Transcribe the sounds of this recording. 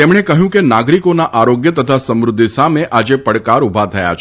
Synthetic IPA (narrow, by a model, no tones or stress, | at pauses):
temɳekəɦjũkenaɡɾikonaʔaɾoɡjət̪ət̪ʰasə̃mɾʊd̪ʱːisameʔad͡ʒepəɽkaɾubʱat̪ʰəja̰t͡ʃʰ